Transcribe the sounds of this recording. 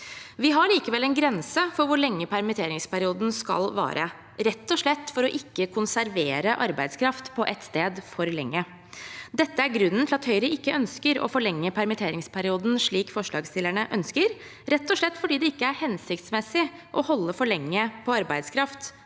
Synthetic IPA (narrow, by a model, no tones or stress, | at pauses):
ʋɪɦɑɭiːkəʋɛlːɛnɡɾɛnsəfɔɾʋʊɭɛŋːəpʰæɾmɪt̪ʰeːɾɪŋspæɾɪuːd̪n̩skɑ̰lʋæ̰ːɾʔə̰ | ɾɛt̪ːɔʂlɭɛt̪ːfɔɾɔʔɪkːəkʰʊnsæɾʋeːɾəʔɑɾbæɪd̪skʰɾɑft̪pʰɔʔɛt̪st̪eːd̪fɔɾlɛŋːə | d̪ɛt̪ːəæɾɡɾʉnːənt̪ʰɪlɑt̪hœʏɾəʔɪkːəʔœnskəɾɔ̰fɔɭɛŋːəpʰæɾmɪt̪ʰeːɾɪŋspʰæɾɪuːd̪n̩ʂɭiːkfɔʂɭɑːɡst̪ɪlæɳəʔœnskəɾ | ɾɛt̪ːɔʂɭɛt̪ːfɔɖiːd̪ɛɪkːəæɾhɛnsɪkt̪smɛsɪʔɔhɔlːəfɔɭɛŋːəpʰɔɑɾbæɪd̪skʰɾɑft̪